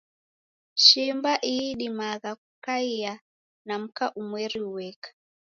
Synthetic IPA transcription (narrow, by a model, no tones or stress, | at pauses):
ʃimbaʔiiɗimaɣak̚ukaia | nam̩kaʔumwɛɾiuwɛkḁ